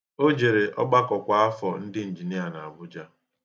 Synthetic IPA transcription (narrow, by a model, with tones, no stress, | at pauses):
o˦d͡ʒe˨ɾe˨ʔɔ̰˦ɡ͡ba˦kɔ˨kʷa˨a˦fɔ˨n̩˦dɪ˦n̩˨d͡ʒi˨ni˦a˨na˨a˨ɡ͡bʊ˦d͡ʒa˦